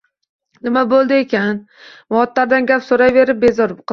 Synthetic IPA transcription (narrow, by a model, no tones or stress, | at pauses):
nɪmabolˠd̪ɪekʲan | mɒt̪laɾd̪anɡʲapsoɾajve̞ɾɪp̚be̞zɒɾq